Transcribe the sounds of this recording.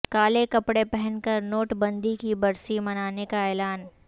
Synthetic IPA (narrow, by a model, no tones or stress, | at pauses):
kaːlekɐpɽepɛɦɛ̃nkɐɾnoːʈbɐ̃nd̪ikibɐɾsimɐnaːnekaɛːlaːn